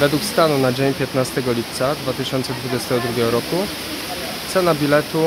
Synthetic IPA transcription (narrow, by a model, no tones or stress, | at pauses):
vɛd̪wukst̪anunad͡ʑeɲpʲjɛt̪nast̪ɛɡɔlʲip̚t̪sad̪vat̪ɘɕɔnt̪sɛd̪vud͡ʑɛst̪ɛɡɔd̪ɾuɡʲɛɡɔɾɔku | t̪sɛnabʲilɛt̪u